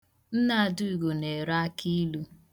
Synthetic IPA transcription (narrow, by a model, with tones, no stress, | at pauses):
n̩˦na˦a˨dʊ˦i˨ɡo˨ne˨ɾa˦kʰi˦lu˦